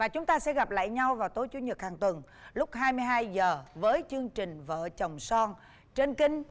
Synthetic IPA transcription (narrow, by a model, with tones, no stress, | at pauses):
vaː˨˩t͡ɕʊ˨˦ŋ͡mt̪aː˧sɛ̰˧˥ɣa˨˩p̚la̰ː˧˨jɲa˧wvaː˨˩wt̪o˨˦jt͡ɕu˨˦ɲə˨˩t̚haː˨˩ŋt̪wə˨˩ŋ | lʊ˦˥k͡p̚hɦaː˧jmɨ˧jɦaː˧jzəː˨˩vəː˨˦jt͡ɕɨ˧əŋt͡ɕï˨˩ŋ̟və̰ː˧˨t͡ɕə˨˩wŋ͡msɔ˧n | t͡ɕe˧nkï˧ŋ̟